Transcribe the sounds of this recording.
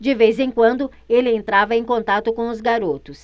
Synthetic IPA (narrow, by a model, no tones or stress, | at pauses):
d͡ʒɪvejzẽj̃kwɐ̃nd̪ʊ | elɪẽnt̪ɾavɐẽj̃kõnt̪at̪ʊkõw̃ʊzɡaɾot̪ʊs